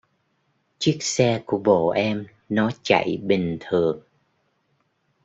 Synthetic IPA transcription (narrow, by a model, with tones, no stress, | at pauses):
t͡ɕi˦˥ək̚sɛ˧ku˧˩əɓo̰˧˨ʔɛ˧m | nɔ˨˦t͡ɕa̰˧˨jɓï˨˩ŋ̟t̪ʰɨ˨˩əŋ